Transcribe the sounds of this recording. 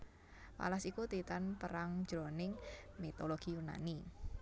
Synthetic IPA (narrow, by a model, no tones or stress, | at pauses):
pa̰lasikut̪it̪anpəɾaŋ̥d͡ʒ̥ɾonɪŋmit̪oloɡ̥ijuna̰ni